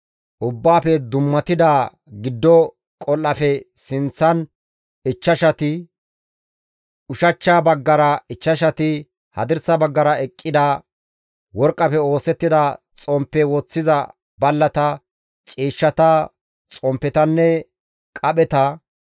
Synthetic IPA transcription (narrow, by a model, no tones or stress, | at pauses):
ʔʊbːaːfɛd̪ʊmːɐt̪ɪd̪aː | ɡɪd̪ːɔ | kʼɔlːɐfɛsɪnt͡sːɐn | ɪt͡ʃːɐʃɐt̪ɪ | ʊʃɐt͡ʃːaːbɐɡːɐɾɐɪt͡ʃːɐʃɐt̪ɪ | hɐ̰d̪ɪɾsɐbɐɡːɐɾɐɛkʼːɪd̪ɐ | wɔɾkʼːɐfɛo̞ːsɛt̪ːɪd̪ɐ | t͡sʼɔmpːɛwɔt͡sːɪzɐ | bɐlːɐt̪ɐ | t͡ʃʼiːʃːɐt̪ɐ | t͡sʼɔmpːɛt̪ɐnːɛ | kʼɐɓɛt̪ɐ